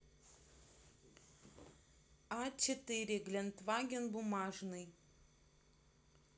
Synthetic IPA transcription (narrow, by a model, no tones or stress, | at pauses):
ɑt͡ʃʲɛt̪ɪɾʲɪɡlʲɛnt̪ʋɑːɡʲɛnbʊmɑːʒnɨj